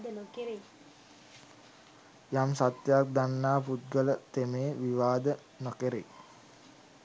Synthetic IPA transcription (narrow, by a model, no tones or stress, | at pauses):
d̪ənokeɾe | jamsat̪jak̚d̪anːaːput̪̚ɡələt̪emeːʋiʋaːd̪ə | nokeɾḛ